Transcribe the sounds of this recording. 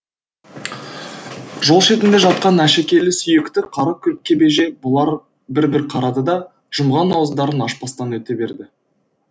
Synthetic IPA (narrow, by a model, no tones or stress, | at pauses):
ʒo̞lˠʃe̞t̪ɪnd̪e̞ʒɑt̪̚qɑnæʃekʲe̞lɪsʏjɪkt̪ɪqʰɑɾɑkʲʰɵp̚kʲʰe̞be̞ʒe̞bʊlˠɑɾ | bɪɾbɪɾqʰɑɾɑd̪əd̪ɑ | ʒ̥ʊmʁɑnːɑwəzd̪ɑɾənɑʃpɑst̪ɑnwɵt̪e̞be̞ɾd̪ɪ